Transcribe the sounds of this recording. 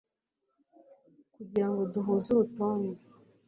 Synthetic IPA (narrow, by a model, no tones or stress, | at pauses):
kuɟiɾaŋɡo̞duɦuzuɾutoːnde